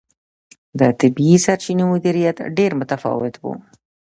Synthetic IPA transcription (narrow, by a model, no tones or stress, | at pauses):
d̪ət̪ɪbisaɾt͡ʃinemʊd̪iɾijat̪ɖeɾmʊt̪afɑ̰wɪt̪bṵ